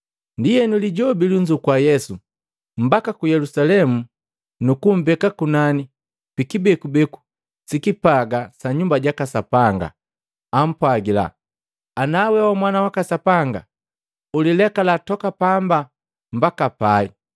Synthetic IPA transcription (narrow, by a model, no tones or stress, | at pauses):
ndijɛnuliɟɔbiluɲd͡ʒukwajɛsu | m̩bakakujɛlusalɛmu | nukum̩bɛkakunani | pikibɛkubɛku̥ | sikipaɡasaɲumbaɟakasapaŋɡa̰ | am̩pwaɡila̰ | anawɛwamwanawakasapaŋɡa̰ | ulilɛkalatɔkapamba | mbakapai